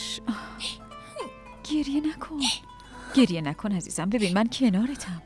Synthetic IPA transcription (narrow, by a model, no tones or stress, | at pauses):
ʃ | ɟ̥e̞ɾjenækʰon | ɟ̥e̞ɾjenækʰo̞næzḭːz̥æmbe̞binmæncʰe̞nɒːɾet̪ʰæm